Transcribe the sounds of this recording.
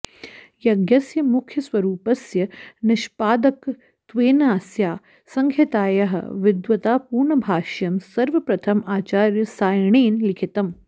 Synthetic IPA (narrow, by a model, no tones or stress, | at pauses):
jɐɡjɐsjɐmukʰjɐsʋɐɾuːpɐsjɐnɪʃpaːd̪ɐk | t̪ʋeːnaːsjaː | sɐŋɡʱjɐt̪aːjɐɦɐ̰ʋɪd̪ʋɐt̪aːpuːɾɳɐbʱaːʃjɐmsɐɾʋɐpɾɐt̪ʰɐmaːt͡ʃaːɾjɐsaːjɳeːnlɪkʰit̪ɐm